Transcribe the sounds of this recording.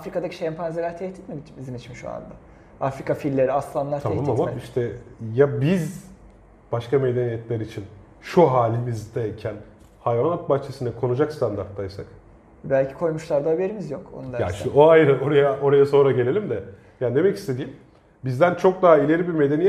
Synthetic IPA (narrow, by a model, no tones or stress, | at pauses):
afɾikad̪acʰi̥ʃɛmpʰanzelʲæɾt̪ʰɛht̪ʰi̥t̪miibizimit͡ʃmiʃua̰nd̪a | afɾikafilʲːeɾiaslˠanlˠaɾt̪ʰaɛmamamaiʃt̪ʰɛjabiz | b̥aʃkame̞d̪enijɛt̪lʲæɾit͡ʃʰin | ʃuɦaːlʲimizd̪ecʰæn | hajvanat̪̚baht͡ʃʰesinɛkʰo̞nud͡ʒakst̪ʰand̪aɾt̪lˠajsak | bælʲcʰi̥kʰo̞jmuʃlˠaɾd̪abjeɾimizjo̞ko̰nud̪ja̰ʃinɛoajɾao̞ɾajaʔo̞ɾajaso̞nɾaɟe̞lʲe̞lʲimd̪ɛ | jaːnd̪e̞mɛci̥st̪ed̪iːim | bizd̪ænt͡ʃʰo̞k̚d̪aɦailʲe̞ɾibiɾme̞d̪e̞nijɛ